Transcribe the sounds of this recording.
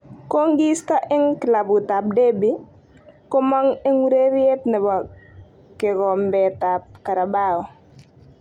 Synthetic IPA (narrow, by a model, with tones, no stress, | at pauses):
ko˦ŋɡi˦ska˦ʔɪ˦ŋkɪ˨la˨bu˨ta˨p̚de˦bi˨ | kɔ˦ma˦ŋɛ˦ŋwu˦ɾe˦ɾje˦tnɛ˨ba˨ | kɛ˨ɡɔ˨mbɛ˨tap̚ka˨ɾa˨baɔ˨